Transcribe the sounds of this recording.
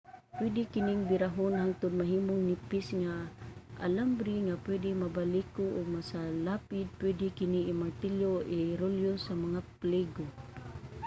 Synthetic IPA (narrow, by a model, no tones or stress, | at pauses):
pwɪdɪkɪnɪŋbɪɾaɦʊnɦaŋt̪ʊd̪̚maɦiːmoŋnipɪsŋaʔa̰lambɾiŋapwɛdɪmabalikʊʔoɡ̚masalapɪd̪̚pwɛdɪkɪniːmaɾt̪ɪljoʔiɾoljosamaŋaplɛɡo